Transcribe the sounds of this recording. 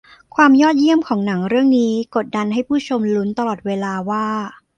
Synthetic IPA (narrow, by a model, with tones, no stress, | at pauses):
kʰwaː˧mjɔː˥˩t̪̚ji˥˩əmkʰɔː˩˦ŋna˩˦ŋɾɯ˥˩əŋniː˦˥ko˨˩t̪̚da˧nɦa˥˩jpʰuː˥˩t͡ɕʰo˧mlu˦˥nt̪a˧lɔː˨˩t̪̚weː˧laː˧waː˥˩